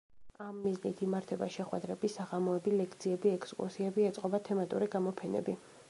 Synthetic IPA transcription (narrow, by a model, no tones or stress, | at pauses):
amːiznit̪ʰimaɾt̪ʰɛba̰ʃɛχwɛ̰d̪ɾɛbisaʁamɔɛbilɛkʰt̪sʰiɛbiɛkʰskʼṵɾsiɛbiɛt̪sʼqʼɔbat̪ʰɛmat̪ʼuɾiɡamɔpʰɛnɛ̰bi